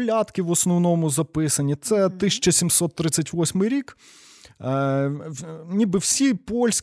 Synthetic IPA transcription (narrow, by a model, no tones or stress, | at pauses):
lʲɑt̪kʲɪʋɔsnɔwnɔmʊzɐpɪsɐnʲit̪sɛt̪ɪsʲɐ̥t͡ʃɐsʲimsɔt̪ːɾɪsʲːɐtʲʋɔsʲmɪjɾʲik | nʲibɨwsʲipɔlʲsʲ